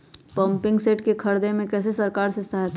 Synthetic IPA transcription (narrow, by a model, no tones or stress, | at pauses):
pəmpɪ̃ŋɡseːʈkekʰəɾd̪emẽkɛːs̬esəɾkaːɾsesaɦɛt̪ʰ